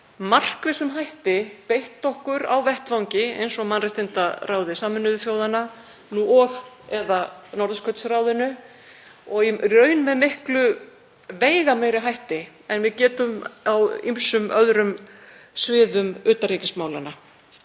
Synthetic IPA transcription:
mar̥kvɪsʏmɦajht̪ɪpejht̪ːɔhkʏɾa̰wvɛht̪vawɲcɪḛjnsɔmanrɪjht̪ɪnt̪araːwðɪsaːmɪnːʏðʏθjoːwðana | nuːɔɣ | ɛðanɔɾðskʰœt̪sraːwðɪnʏ | ɔɣirœɥnmɛðmɪhklʏ | veːjɣameːjɾɪɦajht̪ɪ | ɛnvɪðcɛːt̪ʏmawḭmsʏmœðɾʏm | svɪːðʏmʏːt̪aɾiːcɪsmaːwlana

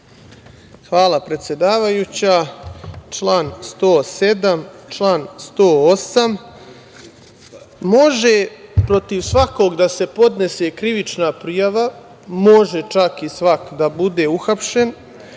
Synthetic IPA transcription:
xʋaːlˠapɾe̞t̪sʲje̞d̪aːʋajut͡ɕaːt͡ʂlaːnst̪o̞ːse̞d̪amt͡ʃlaːnst̪oːosam | mo̞ʒe̞pɾo̞t̪iʋsʋako̞ːɡd̪ase̞po̞d̪ne̞se̞kɾiʋit͡ʃnapɾijaʋa | mo̞ʒe̞t͡ʃakisʋakd̪abud̪e̞uxapʃe̞n

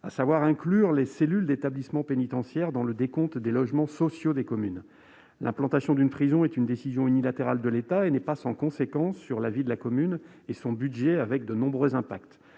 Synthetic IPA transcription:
asavwaʁɛ̃klyʁleselyld̪et̪ablismɑ̃penit̪ɑ̃sjɛʁd̪ɑ̃ləd̪ekɔ̃t̪d̪elɔʒmɑ̃sɔsjod̪ekɔmyn | lɛ̃plɑ̃t̪asjɔ̃d̪ynpχizɔ̃ɛt̪ynd̪esizjɔ̃ynilat̪eʁald̪əlet̪aenɛpasɑ̃kɔ̃sekɑ̃sːyʁlavid̪əlakɔmyn | esɔ̃bydʒɛavɛk̚d̪ənɔ̃bʁøzɛ̃pakt̪

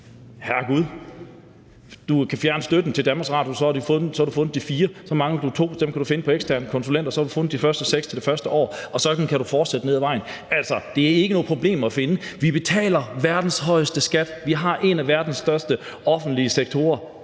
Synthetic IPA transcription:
hæɐɡ̥uð̞ˠ | d̥ukʰæfjæɐnəsd̥ød̥n̩t͡sʰe̝d̥ænb̥ɑɡsʁɑ̈djosɒ̽hɑ̈ɾufɔ̽n̩ˠsɒhɾ̥ufɔ̽nð̩ˠd̥ifiːɐsɒ̽mɑ̈ŋəd̥ut͡sʰo̝̰ːd̥emkʰæd̥ɾufe̝nəpʰɒ̽eɡ̥stʰæɐnəkʰɔ̽nsulen̰d̥ɐsɒhɑd̥ɾufɔ̽nð̩ˠd̥ifɶɐsd̥əseɡ̥st͡sʰe̝ld̥e̝fɶɐsd̥əʔɒ̰ːɒ̽sɒ̽d̥n̩kʰæɾufɒːd̥sed̥əne̝ðˠʋɑ̈ɪ̰n | æl̰sɐd̥e̝æɐe̝ɡ̥ənɔ̽ːð̩ˠpʰʁo̝b̥le̝̰ːmɐæfe̝nəʋib̥e̝t͡sʰɛ̰ːlɐʋæɐd̥n̩sɦɒ̽ɪ̰əsd̥əsɡ̥æd̥ʋiɦɑ̈ʔe̝næʋæɐd̥n̩sːd̥ɶɐsd̥ə | ɒ̽fn̩d̥liəseɡ̥̚t͡sʰo̝ːɐ

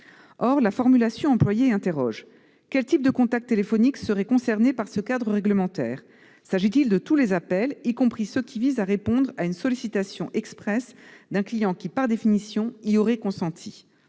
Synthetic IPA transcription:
ɔʁlafɔʁmylasjɔ̃ɑ̃plwajeɛ̃t̪eʁɔʒ | kʲɛlt̪ip̚d̪əkɔ̃t̪ak̚t̪ːelefɔniksəʁɛkɔ̃sɛʁnepaʁsəkad̪ʁəʁɛɡləmɑ̃t̪ɛ̰ːʁ | saʒit̪ild̪ət̪ulezapɛlikɔ̃pχisəkʲʰivizaʁepɔ̃d̪ʁaynsɔlisit̪asjɔ̃ʔɛkspχɛsd̪ɛ̃klijɑ̃kʲipaʁd̪efinisjɔ̃iɔʁɛkɔ̃sɑ̃t̪ʰi

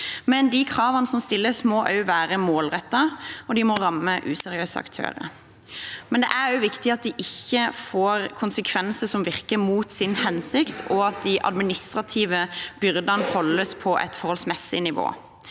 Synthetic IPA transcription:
mɛnd̪ɪkʰɾɑːʋɑnəsɔmst̪ɪlːəsmɔʔɑ̰ʉʋæːɾəmoːlʁɛt̪ːɑɔd̪ɪmɔɾɑmːəʔʉːsɛɾɪøːsəɑ̰kt̪ʰø̰ːɾə̰ | mɛnd̪ɛ̰ʔæɾjʊʋɪkt̪ɪɑt̪̚d̪ɪʔɪçːəfoːɾkʰʊnsəkʰʋɛnsəsɔmʋɪʁkəmuːt̪sɪnhɛnsɪkt̪ʰɔɑt̪̚d̪ɪʔɑ̰d̪mɪnɪst̪ɾɑt̪ʰiːʋəb̥ʏɾd̪ɑnəhɔlːəspʰɔʔɛ̰t̪fɔʁhɔlsmɛsɪnɪʋo̰ː

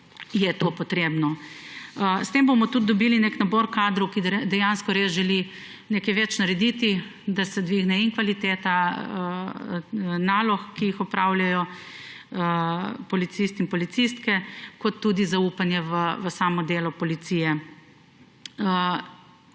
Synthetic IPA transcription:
jɛt̪oːpɔt̪ɾeːbnɔ | əst̪embomɔt̪ud̪̚d̪ɔbilineknaboɾkaːd̪ɾuwkid̪ɛjanskɔɾeːsʒɛli | nekɛʋɛt͡ʃnaɾɛd̪it̪id̪asɛd̪ʋiːɣnɛiŋkʋalit̪eːt̪aə | naːlɔxkijixɔpɾaːwljajɔ | əpɔlit̪sist̪inpɔlit̪sist̪kɛkɔt̪ːud̪izaupanjɛʋəʋəsaːmɔd̪eːlɔpɔlit̪sijɛ | ə

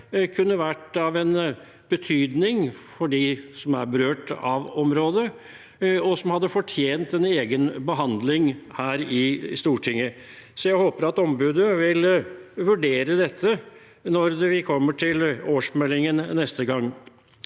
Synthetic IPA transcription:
kʰʉnːəʋæʈɑʋɛn | b̥ət̪ʰyːd̪nɪŋfɔɖisɔmæ̰ɾbəɾøːʈɑ̰ʋɔmɾoːd̪ə | ɔsɔmhɑd̪ːəfɔʈʰjeːnt̪ɛneːɡənbəɦɑnd̪lɪŋhæːɾɪst̪uːʈʰɪŋːəsɔjæɪhoːpəɾɑt̪ɔmbʉːd̪əʋɪlʋʉɖeːɾəd̪ɛt̪ʰːə | nɔɾd̪ɛʋɪkʰɔmːəʈʰɪloːʂmɛlːɪŋənnɛst̪əɡɑŋː

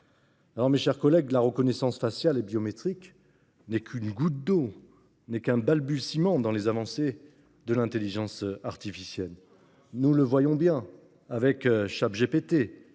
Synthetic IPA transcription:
alɔʁmeʃɛʁkɔlɛɡlaʁəkɔnɛsɑ̃sfasjalebjɔmet̪χik | nɛkʰynɡut̪̚d̪o | nɛkɛ̃balbysimɑ̃d̪ɑ̃lezavɑ̃se | d̪əlɛ̃t̪eliʒɑ̃saʁt̪ifisjɛl | nuləvwajɔ̃bjɛ̃ | avɛkʃapʒepet̪e

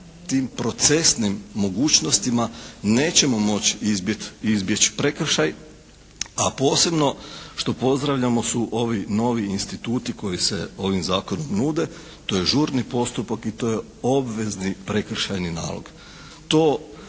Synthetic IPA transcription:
t̪iːmpɾo̞t̪se̞snimːo̞ɡuːt͡ɕno̞st̪imane̞ːt͡ɕe̞mo̞mo̞t͡ɕizbt̪izbje̞t͡ɕi̥pɾe̞kr̩ʃaj | apo̞ːse̞bno̞ʃt̪o̞po̞zd̪ɾaʋʎamo̞suʔo̞ʋino̞ʋiinst̪it̪uːt̪iko̞jise̞̰o̞ʋimzaːkonomnuːd̪e̞ | t̪o̞jeʒuːɾnipo̞st̪upakit̪o̞je̞ | o̞bʋe̞znipɾe̞kr̩ʃajnina̰ːlˠo̰ɡ̥ | t̪o̞ː

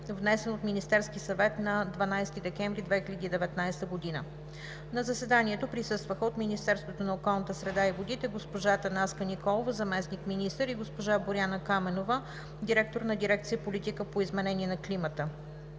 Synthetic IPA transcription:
vnɛsɛnot̪minist̪ɛɾskisɐvɛt̪nɐd̪vɐnajst̪id̪ɛkɛɱvɾid̪vɛxilʲəd̪iːd̪ɛvɛt̪najst̪əɡod̪inə | nɐzɐsɛd̪aniɛt̪opɾisɤst̪vəxəot̪minist̪ɛɾst̪vot̪onɐokɔlˠnət̪əsɾɛd̪aivod̪it̪ɛɡospoʒat̪ɐnaskənikɔlˠovəzɐmɛsnikminist̪əɾiɡospoʒaboɾʲjanəkamɛnovə | d̪iɾɛk̚t̪oɾnɐd̪iɾɛk̚t̪siəpolit̪ikəpoizmɛnɛniɛnɐklimət̪ə

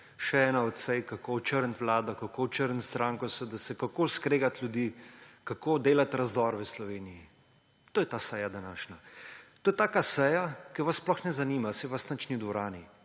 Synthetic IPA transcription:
ʃɛɛːnaɔt̪sɛjkakot͡ʃəɾnt̪ʋlaːd̪ɔkakot͡ʃəɾnt̪st̪ɾaːŋkɔsɛd̪asɛkakoːskɾeːɡat̪lʲjud̪iːkakoːd̪eːlat̪ɾɐzd̪ɔːɾʋəslɔʋeːniji | t̪oːjɛt̪aːsɛːjad̪anaːʃnat̪oːjɛt̪aːkasɛːjakɛʋɐssplɔxnɛzaniːmasɛʋasnɐt͡ʃnid̪ʋɔɾaːni

